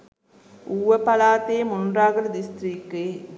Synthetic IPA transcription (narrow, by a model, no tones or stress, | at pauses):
ʔuːʋɐpɐlaːt̪eːmʊnraːɡɐɾd̪ist̪ɾiːkːeː